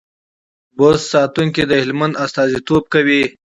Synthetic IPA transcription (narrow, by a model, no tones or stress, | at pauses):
bossɑt̪uŋkid̪əhɪlmand̪ast̪ɑːzit̪ob̚kawi